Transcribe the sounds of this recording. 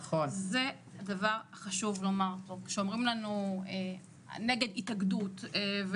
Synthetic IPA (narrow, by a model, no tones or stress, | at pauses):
χonze | hadavaʁhaχaʃuvlo̞maʁtokʃeomʁimlanue | neɡeditaɡdut̪v